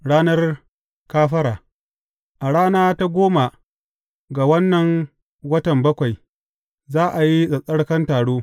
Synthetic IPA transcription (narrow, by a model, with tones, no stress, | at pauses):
ɽaː˦nɐ˦r | kaː˦ɸɐ˦ɾaː˨ | ʔa˨ɽaː˦naː˦ta˦ɡʷoː˦ma˨ | ɡa˨wɐ˦nːɐ˨ŋ | wɐ˦tɐ˨mbɐ˦kʷa˨j | zaː˦ʔa˨ji˦sɐ˨sʼɐ˦ɽkɐ˦ntaː˨ɽoː˦